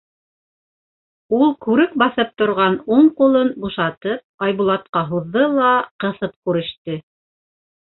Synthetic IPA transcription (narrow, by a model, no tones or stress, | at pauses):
ulˠkʉɾɘk̚bɑθɤp̚t̪ŏɾʁɑnuɴqulˠɤnbuʃɑt̪ɤp̚ɑjβulˠɑt̪qɑɦuðːɤlˠɑqɤ̆θɤp̚kʉɾɘ̆ʃt̪ɘ